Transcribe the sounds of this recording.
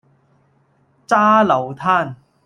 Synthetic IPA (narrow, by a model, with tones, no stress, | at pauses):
t͡saː˥lɐ˨˩wt̪ʰaː˥˩n